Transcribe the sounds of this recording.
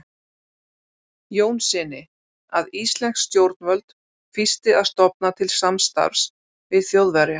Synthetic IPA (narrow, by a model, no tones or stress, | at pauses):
joːwnsɪnɪ | aðist̪lɛn̥ksːt̪jowɾt̪̚nvœlt̪ | fɪst̪ɪaðst̪ɔp̚nat̪ʰɪlsamst̪a̰v̥s | vɪðθjowðvɛɾɪ